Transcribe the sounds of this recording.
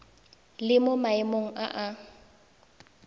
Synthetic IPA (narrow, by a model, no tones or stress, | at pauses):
lɪmʊmaɪmoŋ̩ʔaʔa